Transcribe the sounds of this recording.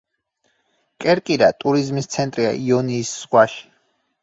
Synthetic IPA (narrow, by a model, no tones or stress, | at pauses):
kʼɛɾkʼiɾat̪ʼuɾizmist̪sʰɛnt̪ʼɾia̰ʔiɔniːsːʁwaʃi̥